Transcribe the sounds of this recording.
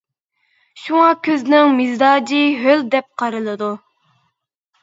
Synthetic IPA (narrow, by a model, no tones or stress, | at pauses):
ʃuŋɑkʲʰøznɪŋmizd̪ɑːd͡ʒiɦøld̪ɛp̚qʰɑɾɨlˠɨd̪u